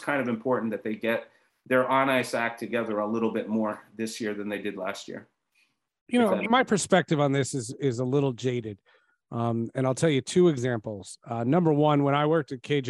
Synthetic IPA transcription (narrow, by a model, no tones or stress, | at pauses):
kʰãɪ̃ndʌvɨ̃mpʰɔɹʔn̩ðɨt̪̚ðeɪɡɛt̪̚ | ðə˞ʔɑnaɪsæk̚tʰɨɡɛðə˞əlɪɾl̩ˠbɪt̚mɔɹðɪsjɪɹðɨ̃nðeɪdɨdˡlæ̰st̚jɪ̰ɹ | jɨnoʊmaɪpʰə˞spɛk̚tɨṽn̩ðɪsɨzɪzəlɪɾl̩ˠd͡ʒeɪɾɨd | ʔʌ̃mɨ̃naɪlˠtʰɛlˠjɨtʰʉɨɡzæ̃mpl̩ˠz̥ʌnʌ̃mbə˞wʌ̃nwə̃ɾ̃aɪwɜ˞k̚tɨt̚kʰeɪd͡ʒ